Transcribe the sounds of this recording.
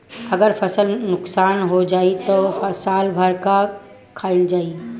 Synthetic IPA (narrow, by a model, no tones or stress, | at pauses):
əɡəɾpʰəsəlnʊksaːnɦod͡ʒaːit̪ofəsaːlbʱəɾka | kʰaːɪld͡ʒaːi